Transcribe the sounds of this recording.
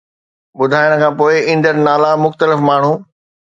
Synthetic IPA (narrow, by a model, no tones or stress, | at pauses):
ɓʊd̪ʱaːjɽ̃ə̆kʰãːpoːɪĩːn̆d̪əɾnaːlamʊxt̪əlɪfmaːɳ̤ũː